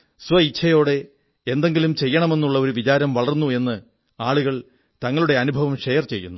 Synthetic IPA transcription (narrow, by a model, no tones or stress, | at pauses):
sʋɐit͡ɕʰːɐjo̞ːɽe̞ | end̪e̞ŋɡilumt͡ɕe̞jːɐɳɐme̞nːuɭːɐo̞ɾuʋit͡ɕaːɾɐmʋɐɭɐrnːue̞nːɨ | aːɭuɣɐɭ | t̪ɐŋːɐɭuɽe̞ɐnubʱɐʋɐmʂe̞jɐrt͡ɕe̞jːṵnːu